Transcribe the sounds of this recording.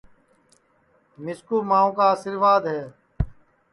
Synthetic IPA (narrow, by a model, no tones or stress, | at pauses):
nɪskuːmãːõːkaːsɪɾʋaːd̪ɦɛː